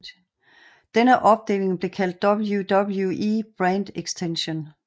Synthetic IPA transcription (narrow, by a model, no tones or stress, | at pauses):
d̥enəʔɒ̽b̥̚d̥ḛːle̝ŋb̥le̝kʰæl̰d̥ːɒb̥l̩jud̥ɒbl̩juʔib̥ʁænd̥eɡ̥sd̥ʰenɕo̝n